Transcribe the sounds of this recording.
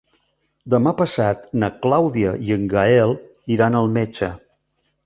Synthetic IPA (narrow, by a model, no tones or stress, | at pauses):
d̪əmapəsat̪nəklawðiəiəŋɡaɛlˠ | iɾanəlˠmet͡ʃə